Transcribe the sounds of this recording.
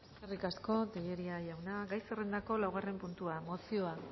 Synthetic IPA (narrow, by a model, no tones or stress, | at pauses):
eske̞rikasko̞t̪eʎe̞ɾiaʝawnaɡajsere̞nd̪ako̞lawɣ̞are̞mpunt̪uamo̞sio̞a